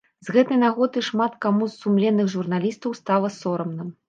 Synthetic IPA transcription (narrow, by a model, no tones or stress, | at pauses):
zɣɛt̪ɐjnaɣɔd̪ɨʂmat̪kamuzːumlʲɛnːɨxʐurnalʲist̪ɐwst̪alˠɐsɔɾɐmnɐm